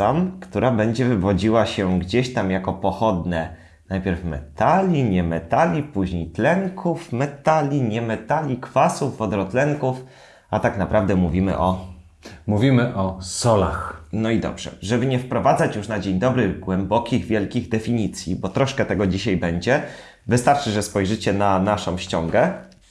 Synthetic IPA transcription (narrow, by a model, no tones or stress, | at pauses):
amkt̪uɾabɛɲd͡ʑɛvɘvɔd͡ʑiwaɕɛɡd͡ʑeɕt̪amjakɔpɔxɔd̪nɛ | najpʲjɛɾfmɛ̰t̪alʲiɲɛmɛt̪alʲipuʑɲejt̪lɛŋkʰufmɛt̪alʲiɲɛmɛt̪alʲikfasuvːɔd̪ɾɔt̪lɛŋkuf | at̪aknapɾavd̪ɛmuvʲimɘ̰ʔɔ | muvʲimɘʔɔsɔla̰xnɔid̪ɔ̰bʐ̥ɛ̰ʐɛbɘɲɛfpɾɔvad̪zat͡ɕjuʂnad͡ʑeɲd̪ɔbɾɘɣɡwɛmbɔkʲiɣvʲjɛlkʲiɣd̪ɛfʲiɲit̪sʲjḭbɔt̪ɾɔʂkɛt̪ɛɡɔd͡ʑiɕajbɛɲd͡ʑɛ | vɘst̪aɾt͡ʂɘʐɛspɔjʐɘt͡ɕɛnanaʂɔ̃w̃ɕt͡ɕɔŋɡɛ